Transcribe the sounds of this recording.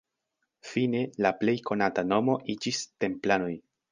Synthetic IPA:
fine̞laple̞jkʰo̞natano̞mo̞ʔid͡ʒiste̞mplano̞j

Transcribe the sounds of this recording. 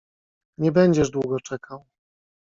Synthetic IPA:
ɲɛbɛɲd͡ʑɛʐd̪wuɡɔt͡ʂɛkʰaw

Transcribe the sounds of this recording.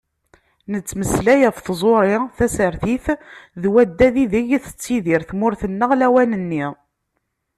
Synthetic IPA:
nət͡sːməslæjæfθzˤoɾˤɪθæsəɾθiθðwæd̪ːæðiðəʝθə̥t͡sːiðiɾθmʊɾθənːəʁlæwænənːi

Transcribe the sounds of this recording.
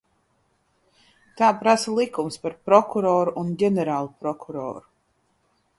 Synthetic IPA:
t̪aːpɾasəlˠikumspaɾpɾɔkuɾɔːɾunɟʲɛnɛɾaːlˠupɾɔkʰuɾɔ̰ːɾu

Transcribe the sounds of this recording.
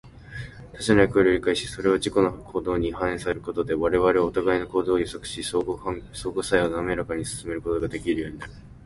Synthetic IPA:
t̪aɕanajakɯoɾeoɾʲikaiɕi̥so̞ɾe̞βad͡ʑiko̞nokʰo̞ːd̪o̞ːɲ̟ihãẽsaseɾɯ̟ko̞t̪o̞d̪e̞βaɾe̞βaɾe̞ot̪aɡaino̞ko̞ːd̪o̞ːjɯsokɯ̟̥ɕi | so̞ːɡosaionoːme̞ɾakaɲ̟isɨ̥sɨme̞ɾɯ̟ko̞t̪o̞ɡad̪e̞kʲiɾɯ̟jo̞ːɲ̟inaɾɯ̟

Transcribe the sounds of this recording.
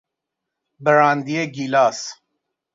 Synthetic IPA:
bəɾaːnd̪ieɡilaːs

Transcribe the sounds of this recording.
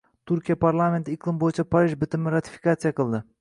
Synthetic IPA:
t̪ʰʊɾkʲijapʰaɾlˠame̞nt̪ɪɪqʰlˠɨmbojɪt͡ʃʰapʰaɾiʒbɪt̪ɪmɪɾat̪ʰɪ̥fi̥kat̪sijaqɨlˠd̪ɪ

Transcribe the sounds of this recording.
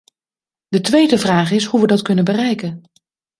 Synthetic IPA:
d̥ətʋejdəvraːχɪsɦuʋədɑtkɵnənbərɛjkən

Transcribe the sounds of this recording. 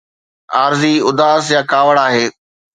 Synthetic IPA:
aːɾziʊd̪aːsjaːkaːʋəɽaːɦeː

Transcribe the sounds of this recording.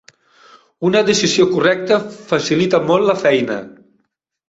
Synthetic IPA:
unəðəsiziokurɛk̚t̪əfasilit̪əmolˠləfɛjnə̰

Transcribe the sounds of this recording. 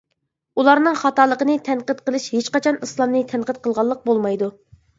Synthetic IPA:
ulˠɑɾnɨŋχɑt̪ɑlˠəqənɨt̪ʰɛnqət̪qəlˠɨʃhet͡ʃqɑt͡ʃʰɑnislˠɑmnɨt̪ʰɛnqət̪̚qʰəlˠʁɑlˠːəq̚bolˠmɑjd̪u

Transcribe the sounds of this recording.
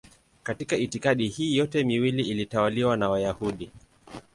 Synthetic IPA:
katikaitikaɗihiːjɔtɛmiwiliilitawaliwanawajahuɗi

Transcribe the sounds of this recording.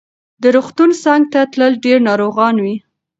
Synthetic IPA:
d̪əɾuxt̪unsɑŋɡ̚t̪at̪ləlɖeɾnɑɾoɣɑnwi

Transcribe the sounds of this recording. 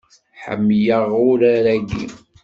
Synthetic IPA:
ħə̰mːjəʁʊɾaɾæɡḭ

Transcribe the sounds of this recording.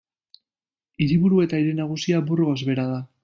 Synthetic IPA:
iɾiβuɾue̞t̪aiɾe̞naɣ̞usiaburɣo̞zβe̞ɾaða

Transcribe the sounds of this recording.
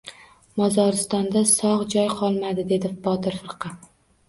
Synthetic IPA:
mɒzɒɾɪst̪ɒnd̪asɒʁd͡ʒɒjqʰɒlˠmad̪ɪd̪e̞d̪ɪbɒt̪ɪɾfɨɾqʰɑ

